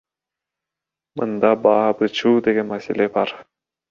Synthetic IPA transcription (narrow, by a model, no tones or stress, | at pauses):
mɯnd̪ɑbɑːbɯt͡ʃʰuːd̪eɡenmæselebɑɾ